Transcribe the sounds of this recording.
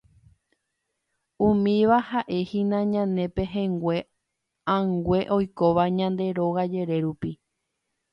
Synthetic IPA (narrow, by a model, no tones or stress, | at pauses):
ũmĩʋahaʔe̞hĩnãɲãnẽ̞pe̞ɦẽŋɡwʷe̞ | ãŋɡʷe̞ʔo̞jkoʋaɲãnd̪e̞ɾo̞ɣad͡ʒe̞ɾe̞ɾupi